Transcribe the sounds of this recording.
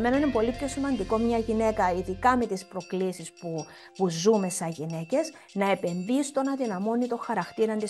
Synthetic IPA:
me̞nɐinepo̞lipço̞simɐnd̪iko̞mɲɐʝine̞kɐiðikɐmet̪ispɾo̞klisispu | puzume̞sɐʝine̞ce̞s | nɐe̞pe̞nðist̪o̞nɐðinɐmo̞nit̪o̞xɐɾɐxt̪iɾɐnd̪i

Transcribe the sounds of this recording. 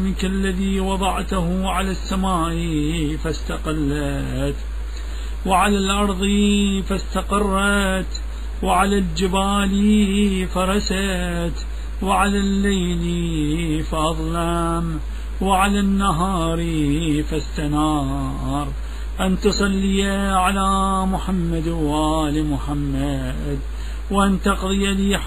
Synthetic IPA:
mɪkalːaðiːwɑðˤɑʕt̪ʊhʕalasːamaːʔifast̪aqɪlːa | t̪ | wɪʕalalʔɑɾˤðˤifast̪aqɑrˤːɑt̪ | wɪʕalald͡ʒɪbaːlifɑɾˤɑsa | t̪ | wɪʕalalːajlifaʔɑðˤlam | wɪʕalanːaɦɑːɾˤifast̪anɑ | ɾˤ | ʔant̪ɨsˤɑlːiaʕalamʊħamːad̪wʔaːlimʊħamːa | d̪ | wʔant̪ɑqðˤɨjaliː

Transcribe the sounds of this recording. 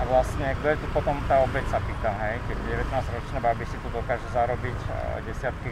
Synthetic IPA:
aʋlasɲɛɡ̚d̪ɔjɛt̪upɔt̪ɔmt̪aːɔbɛcsapiːt̪amɦɛjkɛɟɟɛʋɛt̪naːzɾɔt͡ʃnɛbabisit̪ud̪ɔkaːʒɛzaɾɔbicɟɛsɪat̪ki

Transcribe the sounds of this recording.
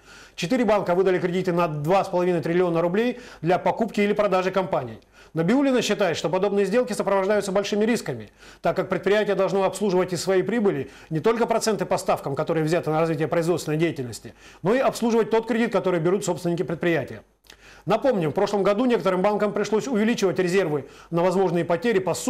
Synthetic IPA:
t͡ɕɪt̪ɨɾʲɪbankəvɨd̪əlʲɪkɾʲɪdʲit̪ɨnɐd̪vaspəlˠɐvʲinəjt̪ʲɾʲɪlʲɪo̞nəɾʊblʲejd̪lʲɐpɐkupkʲɪilʲɪpɾɐd̪aʐɨkɐmpanʲɪ̰j | nəbʲɪulʲɪnəɕːɪt̪ajɪt̪ʂt̪o̞pɐd̪o̞bnɨjəzʲdʲelˠkʲɪsəpɾəvɐʐd̪ajʊt̪səbɐlʲʂɨmʲɪɾʲiskəmʲɪ | t̪akːak̚pɾʲɪt̪̚pɾʲɪjætʲɪjəd̪ɐlˠʐnoɐpslˠuʐɨvətʲɪsvɐipɾʲibɨlʲɪ | nʲɪt̪o̞lʲkəpɾɐt̪sɛnt̪ɨpɐst̪afkəmkɐt̪o̞ɾɨjəvzʲat̪ɨnəɾɐzvʲitʲɪjəpɾəɪzvonəjʲdʲejɪtʲɪlʲnəsʲtʲɪno̞iɐpslˠuʐɨvət̚ʲt̪o̞t̪̚kɾʲɪdʲit̪kɐt̪o̞ɾɨjbʲɪɾut̪so̞pst̪vʲɪnʲɪkʲɪpɾɪt̪pɾʲɪjætʲɪjə | nɐpo̞mnʲɪfpɾo̞ʂlˠəmɡɐd̪unʲe̞kət̪əɾɨmbankəmpɾʲɪʂlˠosʲʊvʲɪlʲit͡ɕɪvətʲɾʲɪzʲe̞rvɨnəvɐzmo̞ʐnɨjəpɐtʲeɾʲɪpɐs

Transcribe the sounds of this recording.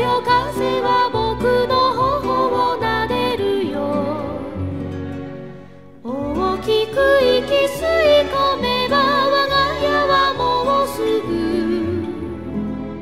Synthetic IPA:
jokazeβabokɯnoɦoɦoɡonaɾeɾɯjo | omokʲikɯikʲisɨikomebaβaɡajaβamoosɨɡɯ

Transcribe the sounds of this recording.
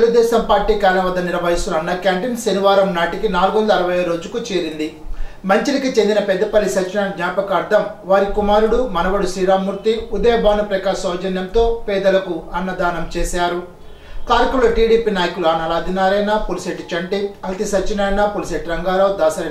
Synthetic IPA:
t̪eluɡud̪ɛːʃɐmpaːɾʈiːkaːɾɐnɐʋɐd̪ːɐniɾɐʋɐɦist̪unɐnːɐkjaːɳʈinsɐniʋaːɾɐmnaːʈikinaːluɡʋɐnd̪ɐːɾɐʋɐjɐɾo̞ːd͡ʒukut͡ʃeːɾind̪i | mɐɲt͡ʃilikit͡ʃe̞nd̪inɐpɛd̪ːɐpɐlːisɐt͡ʃinaːnɡɲaːpɐkɐɾd̪ɐmʋaːɾikumaːɾuɽumɐnɐʋɐɽusiːɾaːmuːɾt̪iud̪ɐjɐbʱaːnupɾɐkaːsɔːd͡ʒɐnjɐmt̪o̞ːpɛːd̪ɐlɐkuɐnːɐd̪aːnɐmt͡ʃɛːsaːɾu | kaːɾkuloːʈiːɖiːpiːnaːjɐkuluaːnɐlaːd̪ʱinaːɾɐjnɐpulseʈit͡ʃɐɳʈiɐlt̪isɐt͡ʃinɐːjnɐpulseʈɾɐŋɡaːloːd̪aːsɐɾɐ

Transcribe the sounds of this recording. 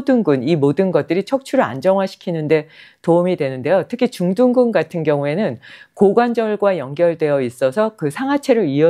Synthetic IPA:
duŋɡunimodɯnɡʌt̚t͈ɯɾit͡ɕʰʌk̚t͡ɕʰuɾɯɭa̰nd͡ʑʌŋɦwaɕʰi̥kʰinɯnde̞toumidwe̞nɯnde̞jotʰɯkʰit͡ɕuŋduŋɡunɡatʰɯnɡjʌŋue̞nɯnkoɡwand͡ʑʌɭɡwajʌŋɡjʌɭdwe̞jʌis͈ʌsʰʌkɯsʰaŋɦat͡ɕʰe̞ɾɯɾiʌ

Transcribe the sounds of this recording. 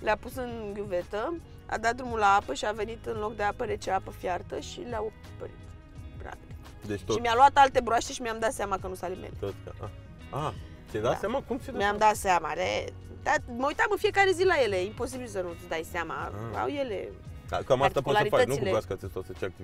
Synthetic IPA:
leapusɨnɡʲjuve̞t̪ə | a̰d̪at̪̚d̪ɾumulaapəʃiave̞nit̪ɨnlo̞k̚d̪eapəɾet͡ʃeapəfjart̪əʃileao | pə̰ɾḭt̪ | bɾa̰n | d̪et͡ʃt̪oʃimialuat̪alt̪e̞bɾoaʃt̪eʃimʲamd̪at̪seamakənusalimḛloa̰ʔa | a | t̪sʲed̪at̪sjamakumsʲimmjamd̪at̪seamale | t̪aməujt̪amɨnfijekaɾe̞zilaje̞le̞impo̞sibilsənud̪ajseama̰a̰wje̞le̞̰a̰ikamat̪əpkoulaɾit̪ətnukilueɾaskat͡ʃest̪asət͡ʃeak̚t̪iv

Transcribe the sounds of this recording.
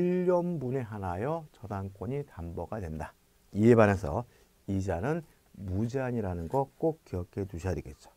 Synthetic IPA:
iʎːʌmbune̞ɦanajʌt͡ɕʌdaŋk͈wʌɲitambʌɡadwe̞nda | ie̞banesʰʌ̰ | id͡ʑanɯn | mud͡ʑeaɲiɾanɯnɡʌk͈ok̚k͈iʌkʰe̞tuɕʰiaɾek͈e̞t̚t͡ɕ͈o̥

